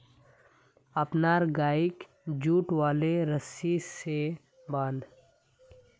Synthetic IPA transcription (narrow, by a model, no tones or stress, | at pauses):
ɐpnaːɾɡaːɪk | d͡ʒuːʈwaːleɾəsise | bãːnd̪